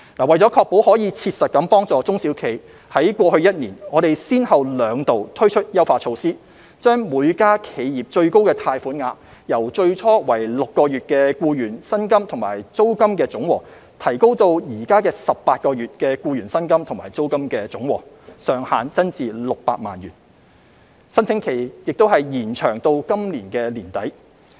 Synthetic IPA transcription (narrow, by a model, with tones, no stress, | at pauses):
laː˨˩wɐ˨˩jt͡sɔː˨˥kʰɔː˧k̚po˨˥whɔː˨˥jiː˨˧t͡sʰiː˧t̚sɐ˨t̚kɐ˨˥mpɔː˥ŋt͡sɔː˨t͡sʊ˥ŋsiː˨˥wkʰe˨˩j | hɐ˨˥jkwɔː˧hɵ˧ɥjɐ˥t̚niː˨˩nɔː˨˧ɾe˨jsiː˥nhɐ˨wlœː˨˧˥ŋt̪o˨wt̪ʰɵ˥ɥt͡ʃʰɵ˥t̚jɐ˥wfaː˧t͡ʃʰo˧wsiː˥ | t͡ʃœː˥ŋmuː˨˧jkaː˥kʰe˨˧jjiː˨˩p̚t͡ʃɵ˧ɥko˥wkɛː˧t̪ʰaː˧jfuː˨˥nŋaː˧˥ | jɐ˨˩wt͡ʃɵ˧ɥt͡ʃʰɔː˥wɐ˨˩jlʊ˨kːɔː˧jyː˨t̚kɛː˧kuː˧jyː˨˩nsɐ˥nkɐ˥mt̪ʰʊ˨˩ŋma̰ː˨˩jt͡so˥wkɐ˥mkɛː˧t͡sʊ˨˥ŋwɔː˨˩ | t̪ʰɐ˨˩jko˥wt̪o˧wjiː˨˩kaː˥kɛː˧sɐ˨p̚paː˧t̚kɔː˧jyː˨t̚kɛː˧kuː˧jyː˨˩nsɐ˥nkɐ˥mt̪ʰʊ˨˩ŋmaː˨˩jt͡so˥wkɐ˥mkɛː˧t͡sʊ˨˥ŋwɔ̰ː˨˩ | sœː˨ŋhaː˨nt͡sɐ˥nt͡siː˨lʊ˨k̚pa̰ː˧k̚ma̰ː˨njy̰ː˨˩n | sɐ˥nt͡sʰɪ˨˥ŋkʰe˨˩jjɪ˨k̚t̪o˥wɦɐ˨jjiː˨˩nt͡ʃʰœː˨˩ŋt̪o˧wkɐ˥mliː˨˩nkɛː˧liː˨˩nt̪ɐ˨˥j